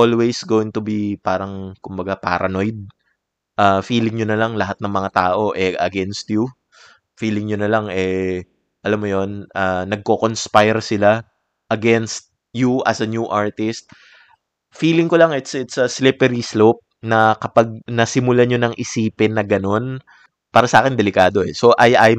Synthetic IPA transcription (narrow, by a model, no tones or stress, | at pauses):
ʔolwejsɡoːwɪ̃ŋt̪ʊbipaːɾɐŋkʊmbɐɡapa̰ːɾɐno̞jd̪̚ | ʔafiːlɪŋɲonɐlɐŋlɐɦat̪̚nɐŋmɐŋat̪aːʔo̞ʔɛʔɐɡɛnst̪̚ju | fiːlɪŋɲonɐlaŋʔɛ | ʔɐlamːojo̞nʔanɐɡ̚kokonspajɹsɪla | ʔɐɡɛnst̪̚ | juʔɐsɐnjuːʔaɹt̪ɪst̪̚ | fiːlɪŋkolɐŋɛt̪sʔɛt̪sɐslɪpɛɾislop̚nɐkɐpaɡ̚nɐsɪmʊlaɲo̞nɐŋʔɪsiːpɪnːɐɡɐno̞n | paːɾɐsɐʔaːkɪnd̪ɛlɪkaːd̪o̞ɛso̞ʔɐjʔaj